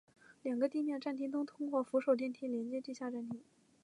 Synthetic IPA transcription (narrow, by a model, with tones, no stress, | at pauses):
ljɑ˨˩ŋɡə˦t̪i˥˧mjɛ˥˧nʈ͡ʂa˥˩nt̪ʰi˥ŋt̪̬ʊ˥ŋt̪ʰʊ˥ŋkwɔ˥˩fu˧˥ʂo˨˩ʊt̪̬i˥˧nt̪ʰi˥ljɛ˧˥nt͡ɕjɛ˥t̪i˥˧ɕja˥˧ʈ͡ʂa˥˩nt̪ʰi˥ŋ